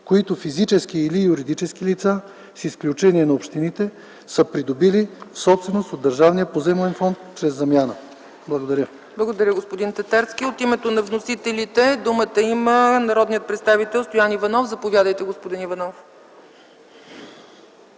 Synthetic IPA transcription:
koit̪ofizit͡ʃɛskiːlijuɾid̪it͡ʃɛsk̟ilit̪sa | sisklʲut͡ʃɛniɛnɐopʃt̪init̪ɛ | səpɾid̪obilifsɔpst̪vɛnost̪od̪ːəɾʒavnijəpozɛmlɛnfɔnt̪t͡ʃɾɛzːɐmʲjanə | blˠɐɡod̪ɐɾʲə | blˠəɡod̪ɐɾʲəɡospod̪int̪ɐt̪aɾskiot̪imɛt̪onɐvnosit̪ɛlʲit̪ɛd̪umət̪əimənɐɾɔd̪nijət̪̚pɾɛt̪st̪avit̪ɛlˠst̪ojanivɐnɔfzɐpovʲjad̪əjt̪ɛɡospod̪inivɐnɔf

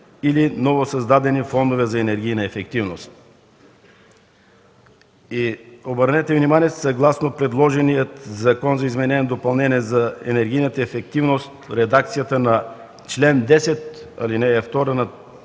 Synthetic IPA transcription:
ilinɔvosɐzd̪ad̪ɛnifɔnd̪ovɛzɐɛnɛɾɡ̟ʲijnɐɛfɛkt̪ivnost̪̚ | iobəɾnɛt̪ɛvnimaniɛsɐɡlˠasnopɾɛd̪lˠɔʒɛnijət̪zɐkɔnzɐizmɛnɛnd̪opɐlˠnɛniɛzɐɛ̰nɛɾɡʲijnət̪əɛfɛk̚t̪ivnost̪ɾɛd̪akt̪sijət̪ənɐ | t͡ʃlɛnd̪ɛsɛt̪ɐ̰linɛɛft̪ɔɾənɐ

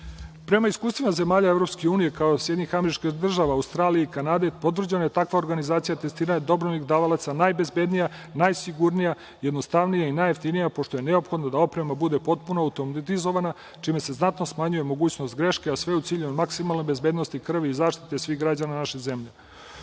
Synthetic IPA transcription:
pɾemaiskuːst̪ʋenaze̞maːʎaevɾo̞pskeuːnije̞kaosjed̪ɲixameɾit͡ʃkid̪r̩ʒaʋaːwst̪ɾaːlijeikanad̪epo̞t̪̬vr̩d͡ʑenajet̪akʋao̞ɾɡanizaːt̪sijat̪e̞st̪iɾaɲd̪o̞bɾonixd̪aːʋalˠat̪sanaːjbe̞zbe̞d̪nija | najsiɡuɾnija | jed̪no̞st̪aʋnijainajeft̪inijapo̞ʂʃt̪o̞jeneopxo̞d̪nad̪ao̞pɾe̞mabud̪e̞po̞t̪̚punoawt̪omt̪izo̞ʋana | t͡ʂiːme̞se̞znat̪no̞smaɲujemo̞ɡuːt͡ɕnost̪̚ɡɾe̞ʃkeasʋe̞ut̪siːʎumaksimalˠnojbe̞zbeːd̪no̞st̪ikr̩ʋizaːʃt̪it̪esʋiːxɡɾad͡ʑananaʃeze̞mʎe

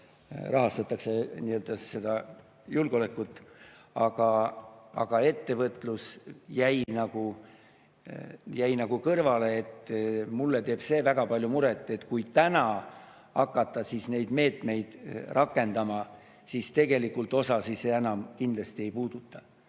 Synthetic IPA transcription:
rɑɦɑst̪ɑt̪ːˑɑkseniøld̪̥ɑse̞d̪ɑ | julɡ̥o̞le̞kːˑut̪ːˑɑɡ̥ɑɑ̰ɡ̥ɑe̞t̪ːe̞vɤt̪ːˑlusjæjnɑɡ̥u | jæjnɑɡ̥ukɤrvɑle̞ːt̪mulːet̪e̞ːb̥se̞ːvæɡ̥ɑpɑlʲjumuɾet̪ːˑe̞t̪kujt̪ænɑ | ɑkːˑɑt̪ːˑɑsisne̞jd̪me̞ːt̪me̞jd̪̥rʔɑkːˑe̞nd̪ɑmɑ | sist̪e̞ɡe̞likːult̪o̞sɑsiseenɑmkind̪lɑst̪ie̞jpuːd̪̥ut̪ːˑɑ

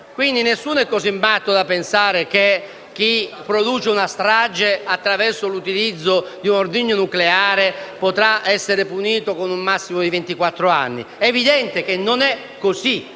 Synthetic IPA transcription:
kwind̪inesːunoɛkːosimːat̪ːod̪apːensaːɾeke | k̟ːipːɾod̪uːt͡ʃeunast̪ɾad͡ʒeat̪ːɾavɛrsolut̪ilid̪zːod̪iunord̪iɲːonukleaːɾepot̪ɾaɛsːeɾepuniːt̪okonumːasːimod̪ivent̪ikwat̪ːɾoa̰nːḭevid̪ɛnt̪ek̟enːonɛ | kːosi

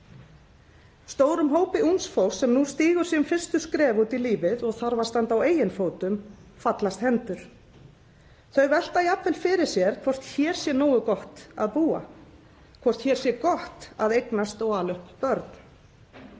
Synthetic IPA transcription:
st̪oːwɾʏmɦoːwpɪʔunsfowsːɛmnust̪iːɣʏɾ̥siʏmfɪ̥st̪ʏskɾɛːvut̪iliːvɪðɔɣθaɾvast̪ant̪aweːjɪnfoːwt̪ʏmfat̪last̪hɛnt̪ʏɾ̥ | θœɥvɛl̥t̪aiapvɛlfɪɾɪɾ̥sjɛɾ̥kʰv̥ɔr̥t̪çɛːɾ̥sjɛnɔːwʏkɔht̪a̰ðpuːa̰ | kʰvɔr̥t̪çɛːɾ̥sjɛkɔht̪aðejknast̪ɔɣaːlœhppœɾt̪n̥

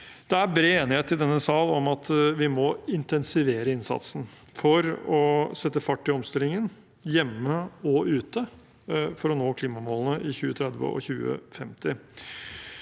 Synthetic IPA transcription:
d̪̥ɛæɾbɾeːeːnɪheːt̪ːɪld̪ɛnːəsɑlɔmɑt̪ʋɪmɔɪnt̪ɛnsɪʋeːɾəɪnsɑ̰t̪sn̩ | fɔɾɔsɛt̪ːəfɑʈːɪɔmst̪ɪlɪŋən | jɛmːəɔʉːt̪ə | fɔɾɔnoːkʰliːmɑmoːlənəʔɪçʉːət̪ʰɾɛd̪ʋə̰ʔɔ̰çʉːə̰fɛmt̪ɪ

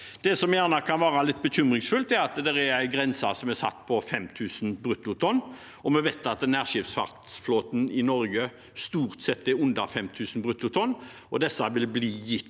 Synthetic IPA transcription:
d̪̥ɛsɔmjæːʁnɑkʰɑnʋɑːɾɑlɪt̪̚ːbəçʏmʁɪŋsfʉlt̪ɛɾɑt̪d̪ɛɾɛɾæɪɡɾɛnsɑsɔmɛsɑ̰t̪ːpʰɔfɛmt̪ʰʉːsnbɾʉt̪ːʊt̪ʰɔnː | ɔmɛʋɛt̪ɑt̪næːʁʃɪpsfɑʁt̪floːt̪n̩ɪnɔɾɡə | st̪uːʁt̪sɛt̪ːɛʉnd̪ɑfɛmt̪ʰʉːsn̩bʁʉt̪ːʊt̪ʰɔnː | ɔd̪ɛsːɑʋɪlbliːɪ

